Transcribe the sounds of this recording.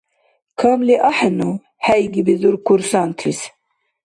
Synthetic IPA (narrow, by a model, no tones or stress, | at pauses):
kʰamliʔaħanu | hæjɡibizuɾkuɾsant̪ʰis